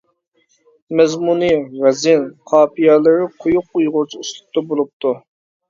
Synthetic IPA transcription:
mɛzmunivɛzɪnqʰɑːpijɛlˠɪɾɨqʰʊjʊqːujʁʊɾt͡ʃʰiust̪ʊ̥p̚t̪ɑbolˠup̚t̪ʰu

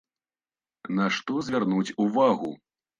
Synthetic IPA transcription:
naʂt̪ɔzʲvʲarnut͡sʲuvaɣu

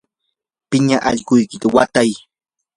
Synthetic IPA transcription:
pɪɲaʔa̰ʎɢʊjkɪt̪awat̪aj

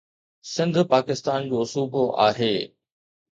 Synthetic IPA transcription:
sɪ̃nd̪ʱpaːkɪst̪aːnd͡ʑoːsuːboʔa̰ːɦeː

